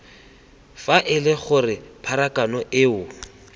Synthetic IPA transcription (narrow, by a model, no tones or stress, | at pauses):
faʔɪlɪχʊrɪpʰaɾakanɔʔɪʊ